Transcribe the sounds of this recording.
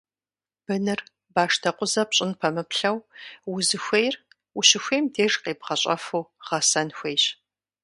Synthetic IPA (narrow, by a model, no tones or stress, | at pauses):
b̥ɨnɨr | baːʂtʰɐqʷʊzɐpɕʼɪnpʰɐmɨpɬɐwwʊzɨxʷejr | ʊɕɪxʷejmdʰeːʐqeːp̚qɐɕʼɐ̰fuwʁ̥ɐsɐnxʷejɕ